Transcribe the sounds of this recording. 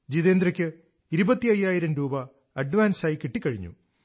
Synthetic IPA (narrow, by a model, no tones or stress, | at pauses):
d͡ʑiðeːnd̪rɐkʲːɨ | iɾubɐt̪ːiɐjːaːjiɾɐmɾuːbɐ | ɐɖʋaːnsaːjkiʈːikʲːɐɻiɲːṵ